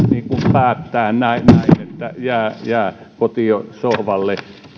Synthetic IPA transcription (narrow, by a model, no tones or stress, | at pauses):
niːkumpæːt̪ːæːnnæinnæinet̪ːæjæːjæː | kot̪iosohʋɑlːe